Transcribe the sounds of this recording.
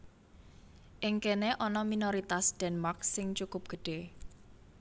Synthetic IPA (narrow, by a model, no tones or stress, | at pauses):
ʔɪŋkeneʔɔnɔminoɾit̪asd̥ɛnmarksɪŋt͡ʃukʊp̚ɡ̥əɖ̥e̤